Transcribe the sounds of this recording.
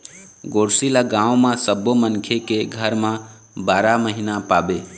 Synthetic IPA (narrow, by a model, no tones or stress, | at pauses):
ɡoɽsilaɡãũmãsəbomənkʰjekeɡʱəɾmã | baɾaməɦinapabe